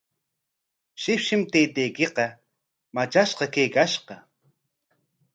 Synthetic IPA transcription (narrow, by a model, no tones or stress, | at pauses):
ʃɪpʃɪmt̪ejt̪ejkeqɑ | mat͡ʃaʃqɑkejkaʃqɑ